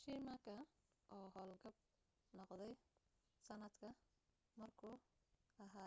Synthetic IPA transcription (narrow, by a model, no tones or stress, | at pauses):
ʃimɐkʰɐ | ʔɔːɦɔːlɡɐb̚ | nɔqd̪ɛj | sɐnɐd̪kʰɐ | mɐrkʰuː | ɐɦaː